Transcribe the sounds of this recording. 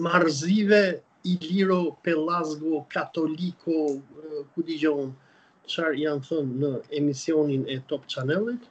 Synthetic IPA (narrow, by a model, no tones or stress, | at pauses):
maɾzivɛ | iliɾɔpɛlazɡɔkat̪ɔlikʰɔkud̪id͡ʒɔn | t͡ʃaɾijanθɔnːəɛmisiɔninɛt̪ɔpt͡ʃanɛlˠit̪